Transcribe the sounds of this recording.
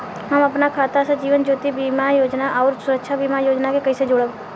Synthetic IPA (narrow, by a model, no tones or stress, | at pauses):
ɦəməpnakʰaːt̪asad͡ʒiːʋənd͡ʒoːt̪ibimajoːd͡ʒnaʔɔʊɾsʊɾəkʃʰabiːmajoːd͡ʒnakekəɪsed͡ʒoːɽəb